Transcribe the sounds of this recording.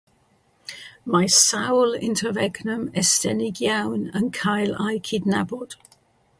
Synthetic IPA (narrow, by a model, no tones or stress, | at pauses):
majsawlɪ̰ntʰəvɛɡnəmɛstɛnɪɡjawnənkʰajlajkʰɪdnabɔd̥